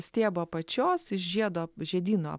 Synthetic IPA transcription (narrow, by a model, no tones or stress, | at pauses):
sʲt̪ʲeːboːpɐt͡ʃʲoːsɪʃʒʲiɛd̪oːʒʲɛd̪ʲiːno̰ː